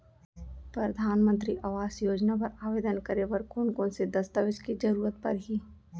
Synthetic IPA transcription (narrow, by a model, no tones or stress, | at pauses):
pɾɐd̪ʱaːnmə̃nt̪ɾiʔaʋaːsjoːd͡ʒnapɐɾaːʋeːd̪ənkɐɾebəɾkʊnkõnsed̪ɐst̪əʋɪʃkid͡ʒɐɾuːɾət̪pɐ̰ɾɦi